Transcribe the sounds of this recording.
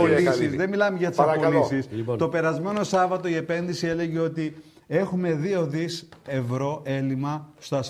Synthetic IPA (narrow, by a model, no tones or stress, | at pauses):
olisizðe̞milɐmeʝɐt̪isɐpolisist̪o̞pe̞ɾɐzme̞no̞sɐvɐt̪o̞ie̞pe̞nðisie̞le̞ʝeo̞t̪i | e̞xume̞ðio̞ðise̞vɾo̞ʔe̞limɐst̪oɐs